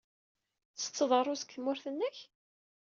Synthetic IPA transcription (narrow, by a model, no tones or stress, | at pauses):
ə̥t͡sːəðˤərˤʊsə̥kθmʊɾθənːəç